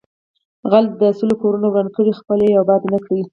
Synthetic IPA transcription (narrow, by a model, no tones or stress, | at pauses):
ɣalt̪̚d̪əsilokoɾunawɽand̪̚kəɽixpəlejawbɑd̪nakɽawi